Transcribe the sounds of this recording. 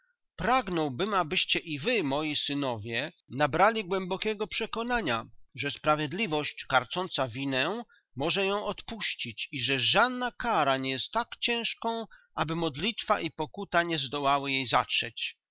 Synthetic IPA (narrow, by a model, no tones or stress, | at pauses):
pɾaɡnɔwbɘmabɘɕt͡ɕɛʔivɘmɔjisɘnɔvʲjɛ | nabɾalʲiɡwɛmbɔkʲɛɡɔpʂɛkɔnaɲa̰ʐɛspɾavʲjɛd̪lʲivɔɕt͡ɕkaɾt͡sɔnt̪savʲinɛ | mɔʐɛjɔ̃w̃ɔt̪puɕt͡ɕit͡ɕiʐɛʐad̪nakaɾaɲɛjɛst̪ːakt͡ɕɛ̃w̃ʂkɔ̃w̃ʔabɘmɔd̪lʲit̪faʔipɔkut̪aɲɛzd̪ɔwawɘjejza̰tʂɛt͡ɕ